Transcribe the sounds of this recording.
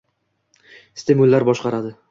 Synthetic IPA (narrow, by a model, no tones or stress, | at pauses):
st̪emʊlːaɾbɒʃqɑɾad̪ɪ